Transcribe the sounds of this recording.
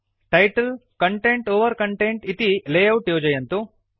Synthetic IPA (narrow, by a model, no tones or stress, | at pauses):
ʈɐjʈɐlkɐɳʈeɳʈoːʋɐɾkɐɳʈeɳʈit̪ileːjɐwʈjoːd͡ʒɐjɐnt̪u